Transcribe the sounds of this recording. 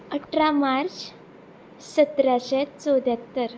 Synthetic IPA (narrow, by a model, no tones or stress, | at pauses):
əʈʰɾamaɾt͡ɕ | sət̪ɾaɕɛt͡sowd̪jat̪ːəɾ